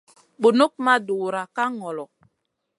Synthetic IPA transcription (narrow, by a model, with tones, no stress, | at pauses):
ɓu˨nu˦k̚ma˦du˨ɾa˨ka˦ŋɔ˨lɔ˨